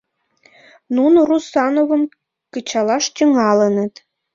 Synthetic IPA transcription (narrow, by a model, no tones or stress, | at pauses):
nunorusɑnovə̆m | kət͡ɕɑlɑʃt̪ʲəŋɑlə̆nə̆t̪